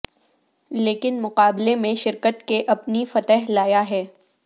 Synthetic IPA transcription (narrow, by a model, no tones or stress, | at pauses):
leːkɪnmʊqaːblemẽʃɪɾkət̪keʔɐpnifɐt̪ɛɦlaːjaɦɛː